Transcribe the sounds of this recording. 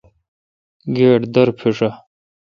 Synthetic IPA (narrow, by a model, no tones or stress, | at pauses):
ɡeːʈd̪ɐɾpʰiʂɐ